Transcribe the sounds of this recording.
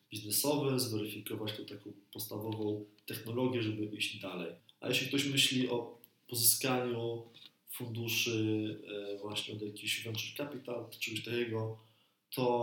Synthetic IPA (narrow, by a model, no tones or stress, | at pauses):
bʲiznɛsɔvɛzvɛɾɨfʲikɔvat͡ɕt̪ɛt̪akɔ̃w̃pɔt̪st̪avɔvɔ̃w̃t̪ɛxnɔlɔɡʲjɛʐɛbɘvɘʑd͡ʑd̪alɛjʔa̰jɛɕlʲikt̪ɔɕmɘɕlʲiʔɔ | pɔzɨskaɲu | fund̪uʂɘ | vwaɕɲɛɔd̪jakʲiɕɡɔnt͡ʂɨkapʲit̪awt̪t͡ʂɛɡɔɕt̪akʲɛɡɔ | t̪ʰɔ